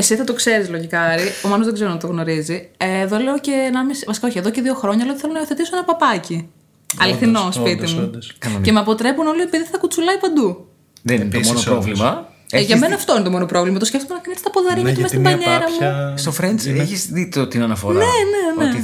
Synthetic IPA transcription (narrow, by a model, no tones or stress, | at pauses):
esiθɐt̪o̞kse̞ɾizlo̞ʝikɐɾiomɐnozðeɡzeɾnt̪t̪oɣno̞ɾizieːðo̞leoceːnɐmisvɐsi̥koçieðoce̞ðioxɾoɲɐlot̪iθelonɐio̞θe̞t̪isoenɐpɐpɐci | ɐ̰liθinospit̪imukɐnce̞meɐpo̞t̪ɾe̞puno̞lipiðit̪ɐ̥t̪ɐkut͡sulɐipɐnd̪u | ðennmonɾovlimɐ | eʝɐmenɐːft̪o̞inet̪omo̞nopɾo̞vlimɐt̪osce̞ft̪omenɐkɐnit̪est̪ɐpoðɐɾiɐt̪imesibɐɲeɾɐmust̪ofɾenseçizðit̪ot̪inɐnɐfo̰ɾɐnenene